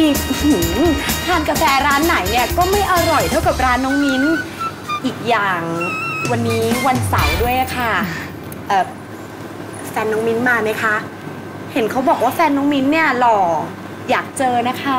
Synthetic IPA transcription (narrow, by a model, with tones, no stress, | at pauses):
i˧˨˩hɯ˨˩˦t̪ʰaː˧˩nka˧fɛː˧ɾaː˦˥nːa˩˦jni˥˩ɐkɔː˥˩ma˥˩jʔa˧ɾɔ˨˩jdu˥˩əjka˨˩p̚ɾaː˦˥nːɔː˦˥ŋmi˦˥n | ʔiː˨˩k̚jaː˨˩ŋwa˧nːiː˦˥wa˧nsa˨˩˦wdu˥˩əjʔa˨kʰa˥˩ | ʔ̚ː | fɛː˧nːɔ˦˥ŋmi˦˥nmaː˧ma˦˥jkʰa˦˥ʔ | he˩˦nkʰa˦˥wbɔː˨˩k̚waː˥˩fɛː˧nːɔː˦˥ŋmi˦˥nːi˥˩ɐlɔː˧ | jaː˨˩k̚t͡ɕɤː˧na˦˥kʰa˦˥˩